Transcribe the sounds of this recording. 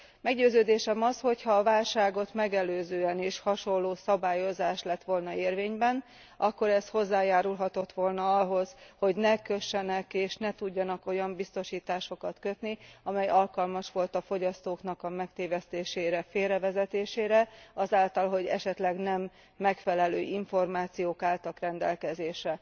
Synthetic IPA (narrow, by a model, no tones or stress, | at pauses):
mɛɡɟøːzøːd̪eːʃɛmɒsho̞chɒːvaːlʃaːɡo̞t̪mɛɡɛløːzøːɛneːʃhɒʃo̞lːoːsɒbaːjo̞zaːʃlɛt̪ʋo̞lnɒeːrveːɲbɛn | ʔɒkːo̞ɾɛsho̞zːaːjaːɾulɦɒt̪o̞t̪ʋo̞lnɒɒɦo̞zho̞ɟnɛkøʃːɛnɛkeːʃnɛt̪uɟːɒnɒko̞jɒmbist̪o̞ʃiːt̪aːʃo̞kɒt̪kø̞t̪niɒmɛjɒlkɒlmɒʃʋo̞lt̪ɒfo̞ɟɒst̪oːknɒkɒmɛkt̪eːvɛst̪eːʃeːɾɛfeːrɛvɛzɛt̪eːʃeːɾɛɒzaːlt̪ɒlɦo̞ɟɛ̰ʃɛt̪lɛɡnɛmː | ɛkfɛlɛløːʔiɱfo̞rmaːt̪sijoːkaːlt̪ɒkrɛnd̪ɛlkɛzeːʃɛ